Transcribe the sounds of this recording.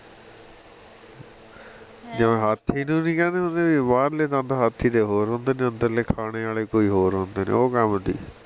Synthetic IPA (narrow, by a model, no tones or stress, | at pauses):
d͡ʒəʋẽːɦat̪ʰːiːnũːnĩːkɛ̃ːnd̪eːɦõnd̪eːʋibaːɾleːt̪ãːd̪aːɦat̪ʰːiːd̪eːɦoːɾɦõːnd̪eːnẽːənd̪əɾleːkʰaːɽ̃eːaːleːkoːiːɦoːɾɦõːnd̪eːnḛːoːkəmd̪ḭː